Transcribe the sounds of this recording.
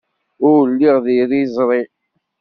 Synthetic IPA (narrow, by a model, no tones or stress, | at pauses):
ʊɾlːiʁðiɾizˤɾˤi